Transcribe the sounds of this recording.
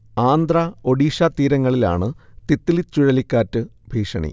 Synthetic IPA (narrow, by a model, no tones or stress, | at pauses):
aːnd̪rɐo̞ɽiːʂat̪iːɾɐŋːɐɭila̰ːɳɨt̪it̪ːilit͡ɕːuɻɐlikʲːaːtːɨbʱiːʂɐ̰ɳḭ